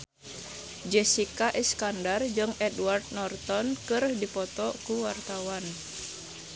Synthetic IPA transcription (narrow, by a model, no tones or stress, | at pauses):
d͡ʒɛsikaʔɛskandard͡ʒɨŋɛdward̚nɔrt̪ɔnkɨrdipɔt̪ɔkuwart̪awan